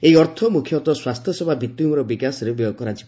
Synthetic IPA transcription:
ejɔɾt̪ʰɔmukʰjɔt̪ɔswast̪ʰjɔsɔbʱabʱit̪jumɔɾɔbikasɔɾebjɔkɔɾad͡ʒibɔ

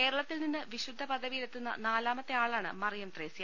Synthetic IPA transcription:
ke̞ːɾɐɭɐt̪ːilninːɨʋiɕud̪ʱːɐpɐd̪ʱɐʋijilet̪ːunːɐ̰naːlaːmɐt̪ːeaːɭaːɳɨ̰mɐrijɐmt̪reːsijɐ

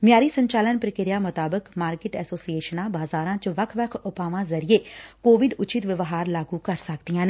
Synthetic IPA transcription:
mjaːɾiːsəɲt͡ʃaːlənpɾəkeːɾijaːmʊt̪aːbəkmaːɾkɪʈɛːsoːsieːʃənãːbaːzaːɾãːt͡ʃəʋəkʰʋəkʰʊpaːʋãːzəɾieːkoːʋɪɖʊt͡ʃɪt̪ʋɪʋɦaːɾlaːɡuːkəɾsəkd̪ijãːneː

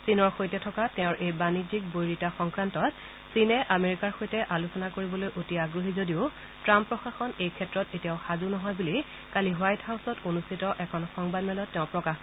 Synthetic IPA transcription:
sinɔɹxojtɛtʰɔkatɛʊ̃ɹʔejbanid͡ʒik̚bojɹitaxɔŋkɹantɔt | sinɛʔameɹikaɹxojtɛʔalusɔnakoɹibɔlojʔotiaɡɹoɦizodiʊ | tɹampːɹɔxaxɔnejkʰɛtɹɔtetijaʊxazunɔɦɔjbuli | kaliɦwajthawsɔtonustʰitɔʔɛkʰɔnxɔŋbadmɛlɔtːɛʊ̃pɹɔkax

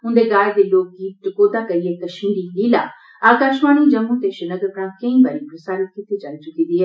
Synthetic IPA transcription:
ʊ̃nd̪eɡaːed̪eloːk̚ɡiːt̪̚ʈɪkoːd̪aːkɐɾijekɐʃĩːɖiliːla̰ː | aːkaːʃʋaːɽ̃id͡ʒɐmũːt̪eʃɪnəɡəɾpɾãːkɐ̃ĩbaːɾĩpɾɐsaːɾɪt̪̚kɪt̪et͡ʃalit͡ʃʊkĩnd̪iːɦɛː

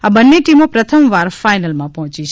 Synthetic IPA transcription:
abənːeʈimopɾət̪ʰəmʋaɾfajnəlmãpɔɦɔ̃t͡ʃiʃʰ

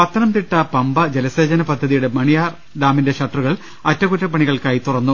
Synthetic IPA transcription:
pɐt̪ʰːɐnɐmt̪iʈːɐpɐmbɐd͡ʑelɐseːd͡ʑɐnɐpɐd̪ʱːɐðijuɽe̞mɐɳijaːr | ɖaːminde̞ɕɐʈːruɣɐɭ | ɐtːɐkutːɐpːɐɳiɣɐɭkaːjit̪urɐnːu

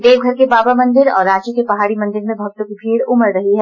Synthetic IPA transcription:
d̪eːʋɡʱɐɾkebaːbamɐ̃nd̪ɪɾɔ̰ːɾːaːt͡ʃikepɐɦaːɽimɐ̃nd̪ɪɾmẽbʱɐɡ̚t̪õkibʱiːɽʊməɾːɐɦiɦɛː

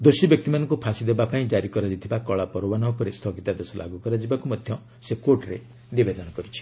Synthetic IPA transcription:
d̪osibjɔk̚t̪imanɔ̃ŋkupʰasid̪ebapaĩd͡ʒaɾikɔɾad̪it̪ʰibakɔɭapɔɾɔbanɔɦpɔɾest̪ʰɔɡit̪ad̪esɔlʔa̰ɡukɔɾad͡ʒibakumɔd̪ʱjɔ | sekoɾʈɾe | nibed̪ɔnɔkɔɾit͡ʃʰi̥

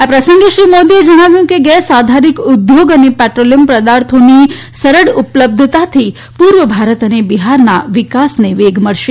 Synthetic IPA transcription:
apɾəsə̃ŋɡeʃɾimod̪ied͡ʒəɽ̃aʋjũkeɡɛsad̪ʱaɾikʊd̪joɡənepɛʈɾolijəmpɾəd̪aɾt̪ʰoni | səɾəɽupləb̚d̪ʱt̪at̪ʰi | puɾʋəbʱaɾət̪ənebiɦaɾnaʋɪkasneʋeɡʱməɽʃe

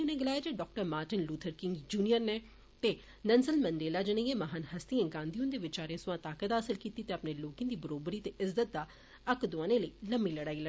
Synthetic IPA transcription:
ʊneːɡɪlaːjad͡ʒeːɖɔːk̚ʈəɾmaːɾʈɪnluːt̪ʰəɾkɪ̃ŋɡd͡ʒuːnijəɾneː | t̪eː | nənsəlmənɖeːlaːd͡ʒəɽ̃ẽːɡẽːməɦaːnhəst̪iãːɡãːnd̪iũnd̪eːʋɪt͡ʃaːɾẽːsʊʋãːt̪aːkət̪ɦaːsɪlkiːt̪iːt̪eːəpneːloːkĩːd̪iːbəɾoːbɾiːt̪eːʔɪzdət̪̚d̪aː | əkd̪ʊãːneːləiːləmiːləɽaːiːlə

